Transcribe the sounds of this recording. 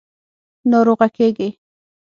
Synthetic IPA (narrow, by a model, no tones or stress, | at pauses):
noɾoʁakeɡɪ